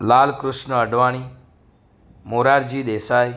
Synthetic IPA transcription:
laːlkɾʊʃnəəɖʋaːɽ̃iː | moːɾaːɾd͡ʒiːd̪eːsaːj

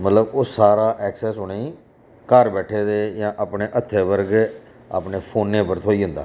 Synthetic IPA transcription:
mət̪ləboːsaːɾaːʔɛːksɛːsɦʊːneː | kəɾbɛːʈʰeːd̪eːjãːʔaːpɳeːʔət̪ʰːeːʋəɾɡ | a̰ːpneːpʰoːnːẽːpəɾt̪ʰoːiːɦʊ̃nd̪a̰ː

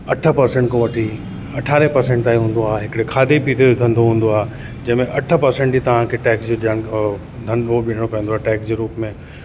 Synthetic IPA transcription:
ɐʈʰə̆pɐɾsẽɳʈkoʋɐʈʰi | ɐʈʰaːɾepɐɾsẽɳʈt̪aːiɦũːn̆d̪oaːɦeɦɪkɽekʰaːd̪epiːt̪ʰeʊd̪ʱə̃nd̪oɦũːn̆d̪oaːɦe | d͡ʑɐ̃ɪ̃mẽʔɐʈʰə̆pɐɾsẽɳʈd͡ʑiːt̪ɐʋ̤ãkʰeːʈɛːksd͡ʑoʄaəɽ̃ | d̪ʱɐnoɓɪɽ̃opɐjə̃nd̪oaːʈɛːksd͡ʑoɾuːpmẽ

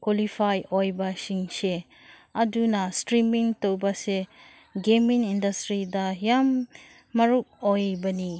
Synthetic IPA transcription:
kwolipʰajojbasiŋse | ɐdunastɾimiŋtowbase | ɡemiŋindɐstɾidajamː | ɐɾuk̚ojbɐni

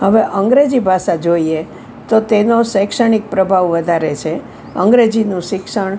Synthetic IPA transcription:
ɦəʋeʔəŋɡɾed͡ʒibʱaʃad͡ʒoie | t̪ot̪enosəjkʃəɳ̃ik̚pɾəbʱaʋʋəd̪ʱaɾet͡ʃʰe | ə̰ŋɡɾed͡ʒinũʃɪkʃəɳ

